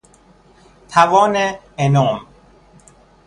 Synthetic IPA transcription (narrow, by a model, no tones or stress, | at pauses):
t̪ʰævɒːne | enɔːm